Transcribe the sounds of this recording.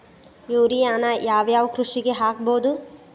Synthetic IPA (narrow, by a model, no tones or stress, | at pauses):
iʋɾijaːnɐjaːʋjaːʋukɾuʂiɡe̞ɦaːk̚boːd̪u